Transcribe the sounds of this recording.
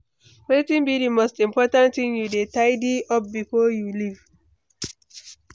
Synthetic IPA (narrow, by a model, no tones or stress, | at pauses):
wetĩnbidimostĩmpɔtãntĩnjudetaɪdiɔp̚bifojuliv